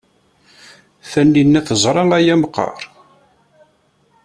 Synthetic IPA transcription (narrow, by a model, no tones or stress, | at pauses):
θænːinːæθəzˤɾˤɑŋæjæmqːɑ̰ɾˤ